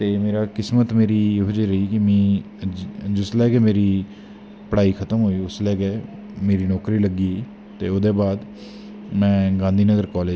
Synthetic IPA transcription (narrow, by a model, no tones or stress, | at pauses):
t̪eːmeːɾaːkɪsmət̪meːɾiːeːɦʊd͡ʒeɾəiːkɪmĩː | d͡ʒʊslɛːɡɛːmeːɾiː | pəɽaːiːkʰət̪əmɦoːiːʊslɛːɡeː | meːɾiːnɔːkɾiːləɡiː | t̪eːoːd̪eːbaːd̪ | mɛ̃ːɡãːnd̪ʱiːnəɡəɾkɔːleː